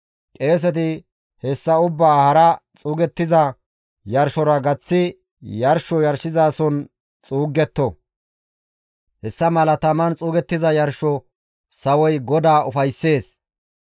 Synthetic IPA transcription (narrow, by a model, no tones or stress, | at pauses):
kʼe̞ːs̬ɛt̪̬ɪ | hɛsːɐʊbːaːhɐɾɐt͡sʼuːɡɛt̪ːɪzɐ | jɐɾʃɔɾɐɡɐt͡sːɪ | jɐɾʃɔjɐɾʃɪzaːsɔn | t͡sʼuːɡːɛt̪ːɔ | hɛsːɐmɐlɐt̪ɐmɐnt͡sʼuːɡɛt̪ːɪzɐjɐɾʃɔ | sɐwɔjɡɔd̪aːʊfɐjsːe̞ːs